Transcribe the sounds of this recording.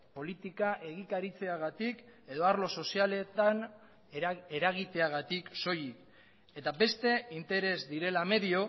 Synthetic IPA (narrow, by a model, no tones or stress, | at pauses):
po̞lit̪ikaʔe̞ɣ̞ikaɾit͡se̞aɣ̞at̪ike̞ðo̞aɾlo̞so̞siale̞t̪an | e̞ɾaɣ̞it̪e̞aɣ̞at̪ikso̞jik | e̞t̪abe̞st̪e̞int̪e̞ɾe̞zd̪iɾe̞lame̞ðio̞